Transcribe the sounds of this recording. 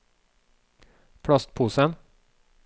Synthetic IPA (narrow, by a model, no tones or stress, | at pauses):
pʰɽɑst̪̚pʰuːsən